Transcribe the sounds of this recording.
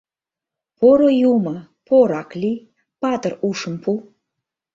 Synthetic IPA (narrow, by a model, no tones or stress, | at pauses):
poɾojumə | pʰoɾɑklʲi | pɑt̪əruʃəmpu